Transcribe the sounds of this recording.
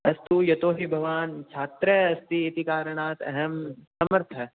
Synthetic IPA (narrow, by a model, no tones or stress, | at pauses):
ɐst̪ujɐt̪oːɦibʱɐʋaːnt͡ʃʰaːt̪ɾɐɐst̪iːt̪ikaːɾɐɳ̃aːt̪ɐ̰ɦɐmsɐməɾt̪ʰɐ